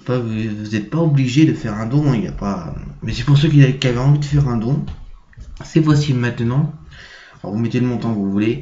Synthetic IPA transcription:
favuvuzɛt̪̚paɔbliʒed̪əfɛʁɛ̃d̪ɔ̃ilja̰pamɛsɛ̥puʁs̬økikʲiavɛɑ̃vid̪əfɛʁɛ̃d̪ɔ̃ | sɛfwasimɛ̃t̪nɑ̃ | ɔ̰vumɛt̪eləmɔ̃t̪ɑ̃kvuvule

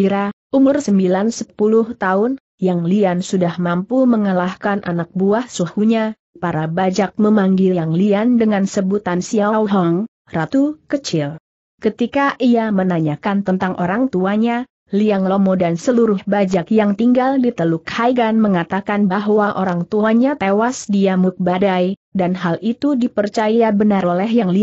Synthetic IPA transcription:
iɾaʔumʊrsəmbilansə̥pulʊht̪aʊn | jaŋliansudahmampuməŋəlahkanʔa̰nak̚buahsuhuɲa | paɾabad͡ʒak̚məmaŋɡiaŋliandəŋansəbut̪ansiawɦaŋ | rat̪ukət͡ʃɪl | kət̪ikaʔiamənaɲakant̪ənt̪aŋʔo̰ɾaŋt̪uaɲa | liaŋlɔmɔdansəluɾʊhbad͡ʒakjaŋt̪iŋɡaldit̪əlukhajɡanməŋat̪akanbaɦwaʔoɾaŋt̪uaɲat̪ewasdiamuk̪̚badajdanɦalʔit̪udipərt͡ʃajabənaolɛhjaŋli

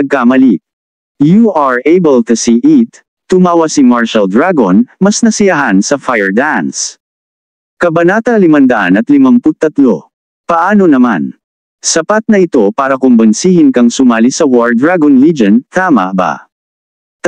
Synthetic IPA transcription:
ɐɡ̚kamɐlik̚ | juʔaɹʔejbɛlt̪usiʔit̪ː | ʊmaːwɐsimaɹʃɐld̪ɹaɡonmɐsnɐsɪjɐɦansɐfajɛɹd̪ans | kɐbɐnaːt̪ɐlɪmɐnd̪ɐʔanɐt̪lɪmaŋpʊd̪̚t̪ːɐt̪lo | pɐʔaːno̞nɐma̰n | sɐpat̪̚nɐʔɪt̪o̞paːɾɐkʊmbɐnsiːhɪnkɐŋsʊmaːlisɐwoɹd̪ɹaɡonlid͡ʒɐnt̪ʰaːmɐ̰ba̰

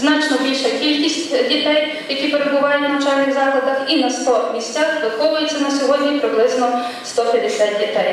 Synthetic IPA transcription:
znɑt͡ʃnɔbʲilʲʃɐkʲilʲkʲisʲtʲdʲit̪ɛj | jɐkʲipeɾebʊʋɑjʊt̪nɐnɐt͡ʃalʲnɪɣzɑklˠɐd̪ɐxinɐst̪ɔmʲisʲt͡sʲaxd̪ɐxɔʋʊjet͡sʲːɐnɐsʲjɔɦɔdʲnʲipɾɪblˠɪznɔst̪ɔpʲɛd̪esʲat̪̚ʲdʲit̪ɛj

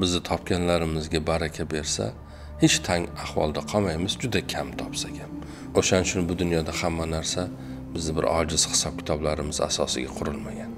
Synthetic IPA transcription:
bɪzd̪ɪt̪ʰɒpkʲanlaɾɪmɪzɡʲabaɾakʲʰabe̞ɾsa̰ | het͡ʃt̪ʰaŋahwɒ̰lˠd̪aqʰɒmajmɪzd͡ʒʊd̪akʲʰamt̪ʰɒpsakʲʰan | oʃanɪt͡ʃʰʊnbʊd̪ʊnjɒd̪ahamːanaɾsa | bɪzd̪ɪbɪ̰ɾɒ̰d͡ʒɪz̥hɪ̥sɒp̚kʲɪ̥t̪ʰɒblaɾɪmɪza̰sɒsɪ̰ɡʲa̰qʰʊɾɪlmaɡʲan

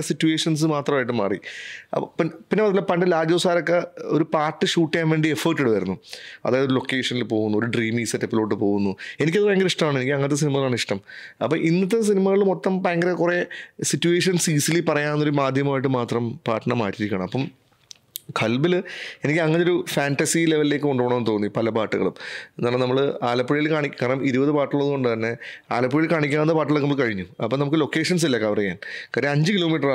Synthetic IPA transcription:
sitːjue̞ːʂɐns̬ɨmaːt̪rɐmaːjʈ̬ːɨmːa̰ːrḭɐ̰pinpinːemɐðilːɐpɐɳɖɨlaːd͡ʑjɐʋsaːɾokːeoɾupaːrʈːɨɕuːʈːijaːnʋeːɳɖiefɐːʈːuɽɨʋɐɾunːuɐ̰ðaːjɐðoɾulo̞kːe̞ːʂɐnilpo̞ːɣunːuo̞ɾuɖriːmiːsɐtːepːilo̞ːʈ̬ːɨpo̞ːɣunːue̞nik̬ʲːɐðɨpɐɾjɐŋɡɐɾeiʂʈɐmaːɳenikʲːilɐŋːnɐt̪ːes̬inimɐlaːɳɨiʂʈɐmɐpːɐʔinːɐt̪ːes̬inimɐɣɐɭumot̪ːɐmpaɐŋɡɐɾekure̞sitːueːʂɐnsiːsilipɐrɐjaːnːoɾumaːd̪ʱjɐmɐmaːjʈ̬ːɨmaːt̪rɐmpa̰ːʈːɐɳɐmːaːʈːiɾikʲːɐɳɐmɐpːɐm | kʰɐlbile̞nikʲːɐŋːɐneoɾufaːnʈɐsileʋɐlileːkːɨoɳɖuːɳɐmːnːt̪o̞ːnːipɐlɐpaːʈːɨɣɐɭumnːaːɳːɐnɐmːɐɭaːlɐpːuɻijilkaːɳikʲːkːɐːɐɳɐmiɾubɐðɨpaːʈːɨɣɭoðkoɳɖɨt̪ɐnːeaːlɐpːuɻijilkaːɳikʲːaːnnːɐpaːʈːiɭokːnɐmːuɐɭkɐɻiɲːuɐpːoːnɐmukːɨlo̞kːe̞ːʂɐns̬ilːɐkɐʋɐrɐjaːnkɐɾɐɲd͡ʑɨkilo̞ːmiːʈ̬ːɐra

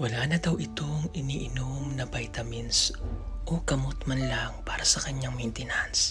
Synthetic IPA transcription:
wɐlaːnɐd̪ɐwʔɪt̪o̞ŋɪniːʔɪnomnɐbajt̪ɐmɪnsʔoɡ̥ɐmot̪mɐnlaŋpaːɾɐsɐkɐɲaŋmɐjnt̪ɪnans

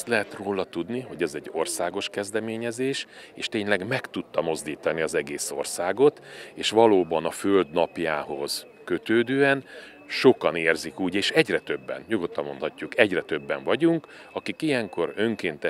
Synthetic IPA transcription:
st̪lɛɦɛt̪roːlɒt̪ud̪niɦo̞ɟɛzɛɟːo̞rsaːɡo̞ʃkɛzd̪ɛmeːɲɛzeːʃ | eːʃt̪eːɲlɛɡmɛkt̪ut̪ːɒmo̞zd̪iːt̪ɒniɒzɛɡeːso̞̰rsaːɡo̞t̪eːʃʋɒloːbɒnɒføld̪nɒpjaːɦo̞z̥ | køt̪øːd̪øːɛn | ʃo̞kɒneːrzikuːɟeːʃɛɟrɛt̪ø̞bːɛ̰njoɡo̞t̪ːɒmo̞nt̪hɒcːukɛɟrɛt̪ø̞bːɛɱvɒɟuŋk | ɒkikijɛŋko̞ɾø̞ŋkeːnt̪ɛ

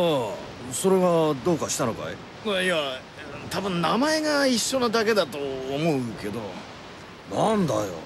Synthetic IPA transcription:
a | so̞ɾe̞βad̪o̞ːkaɕi̥t̪ano̞ka̰e | maiã | t̪abɯ̟̃nnamae̞ɡaiɕːo̞nod̪ake̞d̪at̪o̞ːmo̞ɯke̞d̪o̞ | nãnd̪ajo̰

